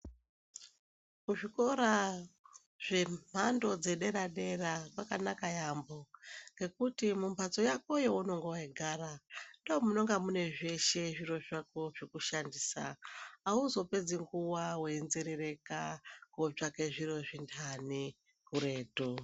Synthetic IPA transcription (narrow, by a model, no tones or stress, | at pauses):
kuʐiko̞ɾa | ʐ̥e̞m̤ando̞d͡ze̞ɗe̞ɾaɗe̞rakwakanakajambo̞ŋɡe̞kutimumbʱat͡so̞jako̞jouno̞ŋɡoweɡʱaɾandoːmuno̞ŋɡamune̞ʐe̞ʃe̞ʐiro̞ʐakoʐikuʃandiːsa̰ː | uzo̞pe̞d͡ziŋɡuwaweːnze̞ɾe̞re̞kakob͡ʐake̞ʐiro̞ʐindʰani | kuɾe̞ːto